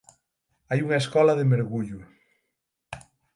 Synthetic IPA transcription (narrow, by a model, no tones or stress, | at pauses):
ajuŋɐeskɔlɐðemeɾɣuʎʊ